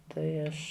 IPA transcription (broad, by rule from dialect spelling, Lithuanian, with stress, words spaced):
ˈtɐɪ ˈɐʃ